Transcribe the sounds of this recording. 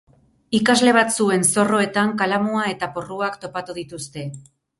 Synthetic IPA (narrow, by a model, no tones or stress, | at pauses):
ikazle̞β̞at͡sue̞nso̞ro̞e̞t̪aŋkalamuae̞t̪aporuakt̪o̞pat̪uðit̪ust̪e̞